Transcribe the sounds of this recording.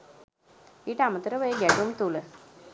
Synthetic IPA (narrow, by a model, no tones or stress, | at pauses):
iːʈəamət̪əɾəʋəjəɡɛʈumt̪ulə